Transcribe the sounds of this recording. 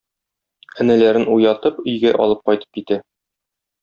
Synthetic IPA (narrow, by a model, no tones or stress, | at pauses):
ɘ̆nɘ̆læɾɘnujɑt̪ɤpɵ̆jɡæʔɒ̰lˠɤp̚qɒjt̪ɤ̥p̚kit̪æ